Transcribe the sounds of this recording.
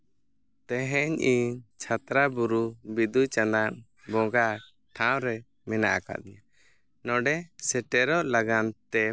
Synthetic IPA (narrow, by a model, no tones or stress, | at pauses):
t̪ɛɦɛɲiɲt͡ʃʰat̪ɾabuɾubid̪ujt͡ʃanaʔ | bɔ̃ɡa | ʈʰãwɾɛ | mɛnaʔaka̰d̪iɲa | nɔɖɛsɛʈɛɾɔʔlaɡant̪ɛ